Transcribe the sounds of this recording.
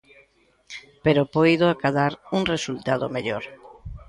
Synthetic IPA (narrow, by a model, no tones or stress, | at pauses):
peɾopojðoakaðaɾuŋresult̪aðo̰meʎoɾ